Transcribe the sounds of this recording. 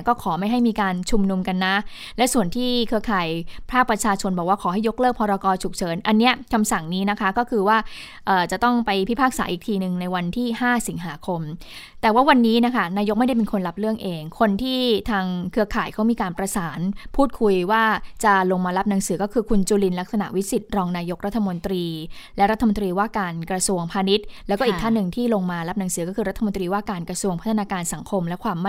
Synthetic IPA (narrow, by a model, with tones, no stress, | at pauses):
kɔː˥˩kʰɔː˩˦ma˥˩jɦa˥˩jmiː˧kaː˧nt͡ɕʰu˧mnu˧mka˧nːa˦˥ | lɛ˦˥su˨˩ənt̪ʰiː˥˩kʰɯ˧ɐkʰaː˨˩jpʰaː˥˩k̚pɾa˧t͡ɕʰaː˧t͡ɕʰo˧nbɔː˨˩k̚waː˥˩kʰɔː˩˦ɦa˥˩jo˦˥k̚lɤː˥˩k̚pʰɔː˧ɾa˧kɔː˧t͡ɕʰu˨˩k̚t͡ɕʰɤː˩˦nʔa˧nːi˦˥ɐkʰa˧msa˨˩ŋniː˦˥na˦˥kʰa˦˥kɔː˥˩kʰɯː˧waː˥˩ | ʔɤː˨˩t͡ɕa˨˩t̪ɔ˥˩ŋpa˧jpʰi˥˩pʰaː˥˩k̚sa̰ː˩˦ʔiː˨˩k̚t̪ʰiː˧nɯ˨˩ŋna˧jwa˧nt̪ʰiː˥˩haː˥˩si˨˩˦ŋɦaː˩˦kʰo˧m | t̪ɛː˨˩waː˥˩wa˧nːiː˦˥na˦˥kʰa˦˥˩naː˧jo˦˥ma˥˩jda˥˩pe˧nkʰo˧nla˦˥p̚lɯ˥˩əŋʔeː˧ŋkʰo˧nt̪ʰiː˥˩t̪ʰaː˧ŋkʰɯ˧ɐkʰaː˨˩jkʰa˦˥wmiː˧kaː˧npɾa˧saː˩˦npʰuː˥˩t̪̚kʰu˧jwaː˥˩t͡ɕa˨˩lo˧ŋmaː˧la˦˥p̚na˩˦ŋsɯː˩˦kɔː˥˩kʰɯː˧kʰu˧nt͡ɕuː˧li˧nla˦˥k̚sa˧na̰˨˩ʔwi˦˥si˨˩t̪̚ɾɔː˧ŋnaː˧jo˦˥k̚ɾa˦˥t̪ʰːa˧mo˧nt̪ɾiː˧lɛ˦˥ɾa˦˥t̪ʰːmo˧nt̪ɾiː˧waː˥˩kaː˧nkɾa˧su˧əŋpʰaː˧ni˦˥t̪̚lɛː˦˥wɔː˥˩i˨˩t̪ʰa˥˩nːɯ˨˩ŋt̪ʰiː˥˩lo˧ŋmaː˧la˦˥p̚na˩˦ŋsɯː˩˦kɔː˥˩ɯː˧ɾa˦˥t̪ʰːa˧mo˧nt̪ɾiː˧waː˥˩kaː˧nkɾa˧su˧əŋpʰa˦˥t̪ʰa˧naː˧kaː˧nsa˩˦ŋkʰo˧mlɛ˦˥kʰwaː˧mː˥